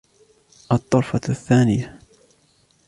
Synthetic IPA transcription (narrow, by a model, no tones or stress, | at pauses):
ʔɑt̪ˤːɑɾˤfɑθːaːnɪja